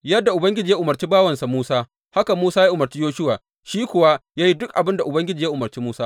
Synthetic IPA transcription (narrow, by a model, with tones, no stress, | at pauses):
jɐ˦dːa˨ʔʊ˨bɐ˦ŋɡʲɪ˦d͡ʒiː˨ja˦ʔʊ˨mɐ˨rt͡ʃiː˦baː˦wɐ˨nsa˨muː˦saː˦ | ha˦ka˨muː˦saː˦ja˦ʔʊ˨mɐ˨ɾt͡ʃiː˦joː˦ʃʊ˦waː˨ | ʃiː˦kʷʊ˨wa˦jaː˦ji˦dʊ˦kʔa˨bɪ˦nda˨ʔʊ˨bɐ˦ŋɡʲɪ˦d͡ʒiː˨ja˦ʔʊ˨mɐ˨rt͡ʃiː˦muː˦saː˦